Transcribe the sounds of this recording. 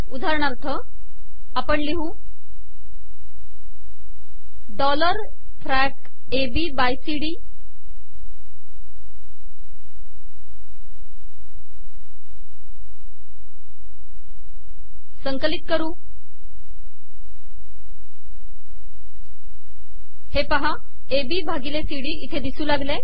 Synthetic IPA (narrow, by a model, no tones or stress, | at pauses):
ud̪ʱaɾəɳ̃aɾt̪ʰə | apəɳliɦũ | ɖɔləɾ | fʰɾæk | ebibajsiɽiː | səŋkəlit̪̚kəɾuː | hepaɦa | ebiːbʱaɡilesiɽiːit̪ʰed̪isuːlaɡle